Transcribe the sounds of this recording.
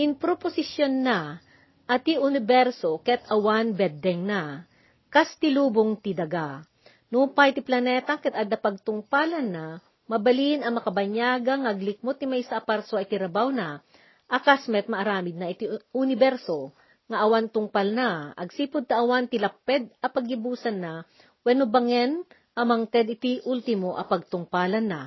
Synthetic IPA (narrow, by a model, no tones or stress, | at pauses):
ʔɪnpɾoposɪsjonːa | ʔɐt̪iʔʊnɪbɛɾsokɛt̪ɐwanbɛd̪ːɛŋna | kast̪ɪluːboŋt̪ɪd̪ɐɡa | nupajt̪ɪplɐnɛt̪ɐkɛt̪ad̪ɐpɐɡ̚t̪ʊŋpalɐnːa | mɐbɐlinɐŋmɐkɐbɐɲjaːɡɐŋɐʔɐɡlɪk̚mot̪̚nɪmɐʔsaʔɐpaɾsoɐɪt̪ɪɾɐbawna | ʔɐkasmɛt̪̚mɐʔɐɾaːmɪd̪̚nɐʔɪt̪iʊnɪbɛɾso | ŋɐʔɐwant̪ʊŋpalnaɐ̰ɡsiːpʊd̪̚t̪ɐʔɐwant̪ɪlɐpːɛd̪̚ɐpɐɡibuːsɐnːa | wɛnobɐŋɛn | ʔɐmɐŋt̪ɛd̪ɪt̪iʔult̪ɪmoʔɐpɐɡ̚t̪ʊŋpalɐnːa